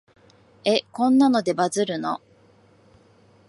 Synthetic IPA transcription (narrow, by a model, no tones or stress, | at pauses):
e̞kõ̞nːano̞d̪e̞bazɨɾɯ̟no̞̰